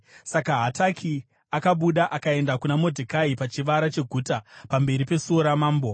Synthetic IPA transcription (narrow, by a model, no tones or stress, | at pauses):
sakaɦatakʰi | akaɓuɗaʔakae̞ndakunamo̞dʱikaipat͡ʃiʋaɾat͡ʃe̞ɡʱuːtapambe̞ɾipe̞suoɾamaːmbo